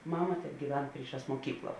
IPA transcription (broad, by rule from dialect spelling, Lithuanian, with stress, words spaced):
ˈmɑːmɐ tʲɛbʲɡʲiːˈʋʲɛn ˈpʲrʲiːˌʃɑːs muɔˈkʲiːklˠɐ